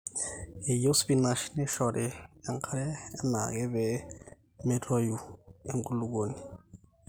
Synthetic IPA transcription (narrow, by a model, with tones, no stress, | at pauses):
e˨jo˦sbi˦na˨ʃi˦nɛ˦ʃɔ˨ɾɛ˨a˦ŋkʰa˦ɾɛː˦na̰˨kɛ˦βɛ˨ | me˦tʰɔ˦ju˨e˦ŋku˦lu˦ko˨ni˨